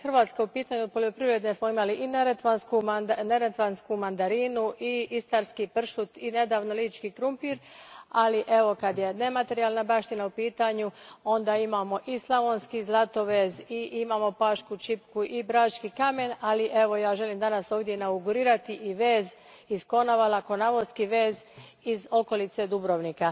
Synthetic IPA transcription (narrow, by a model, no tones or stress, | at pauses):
xrʋaːt̪skaupiːt̪aːɲuod̪̚poʎʲo̞pɾiʋɾe̞d̪nesmo̞imaliʔineɾet̪ʋanskumneɾet̪ʋanskumand̪aɾiːnuʔiist̪aɾskipr̩ʃut̪ine̞d̪aːʋno̞liːt͡ʃkiːkɾumpiːɾaliʔe̞ʋo̞kad̪je̞ne̞mat̪e̞ɾijaːlˠnabaʃt̪inaupiːt̪aːɲuo̞nd̪aimaːmo̞ʔislˠaʋonskizlˠat̪o̞ʋeːziʔimaːmo̞paːʃkut͡ʃipkuʔibɾaːt͡ʃkikame̞naliʔe̞ʋo̞jaːʒe̞limd̪anaso̞ːʋd̪ʲjenauɡuɾiːɾat̪iʔiʋeːz | isko̞naʋalako̞naʋoskiʋe̞ːz | izo̞ko̞lit̪se̞d̪ubɾoʋnika